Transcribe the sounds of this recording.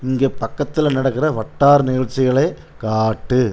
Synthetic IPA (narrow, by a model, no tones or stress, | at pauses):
ɪŋɡeːpɐkːɐt̪ːɪlnɐɽɐkːɪɾɐʋɐʈːaːɾnɪɣɐɻt͡ʃːɪɣɐɭɐɪ | kaːʈːɯ